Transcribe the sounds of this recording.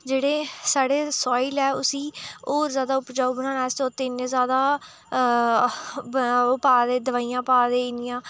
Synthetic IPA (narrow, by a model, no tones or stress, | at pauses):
d͡ʒeːɽeːsaːɽeːsɔːɪlɛːʊsiːoːɾzjaːd̪aːʊpd͡ʒaːubnãːnɛːsõːt̪ɪnzjaːd̪aː | paːd̪eːd̪əʋaːijãːpaːd̪eːɪnɪjãː